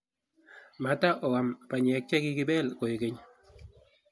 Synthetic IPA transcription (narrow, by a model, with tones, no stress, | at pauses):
ma˨ta˦ʔɔ˨wa˨mpa˨ɲɛ˨˦k̚t͡ʃɛ˦ki˦kɪ˦ɓɛ˦lko˨i˨ke˦ɲ